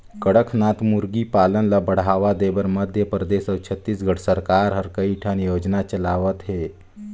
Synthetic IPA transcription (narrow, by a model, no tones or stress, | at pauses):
kəɽəkʰnat̪muɾɡipalənlabəɽ̤aʋad̪ebəɾməd̪ʱjəpɾəd̪esəwt͡ʃʰət̪ːisɡʱəɽsəɾkaɾɦəɾkəiʈʰənjod͡ʒnat͡ʃəlaʋət̪ɦe